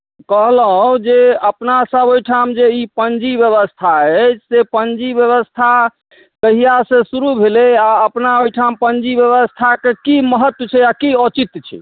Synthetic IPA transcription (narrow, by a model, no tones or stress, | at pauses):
kəɦləɦd͡ʒeəpnasəbojʈʰamd͡ʒeipənd͡ʒibjəβəst̪ʰaɛt͡ʃsepənd͡ʒibjəβəst̪ʰa | kəɦijasẽsuɾubʱelɛaəpnaojʈʰampənd͡ʒibjəβəst̪ʰakekiməɦət̪wət͡ʃʰɛakiɔt͡ʃit̪t͡ʃʰɛ̰